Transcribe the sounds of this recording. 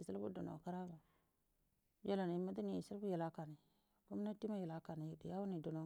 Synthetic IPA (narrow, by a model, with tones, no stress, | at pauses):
i˨sa˦lbṵ˦do˨no̰˨ka˦ɾa˦ba˨ | ja˦la˨n˨i˦ma˦di˦ni˨i˨si˦lbu˦ja˨la˨˦ka˨ni˨ | ku˦m˦na˦ti˦ma˦ja˨la˨ka˨ni˨ji˨di˨ja˦wu˦ni˨do˨no˨